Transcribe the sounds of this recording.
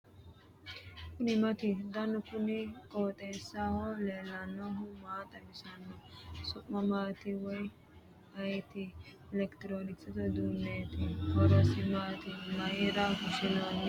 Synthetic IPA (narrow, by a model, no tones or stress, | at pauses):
kʊnɪmɐt̪ɪd̪ɐnʊkʊnɪkʼoːt̪ʼeːsːahɔleːlːɐnːɔɦʊmaːt̪ʼɐbɪsɐnːɔsʊʔːɐmaːt̪ɪwɔj | hɐjt̪ɪ | ɪlɛkt̪ɪɾoːnɪksɐt̪ɔd̪uːnːeːt̪ɪkɔɾɔsɪmaːt̪ɪmɐʔɪɾɐkʊʃɪnon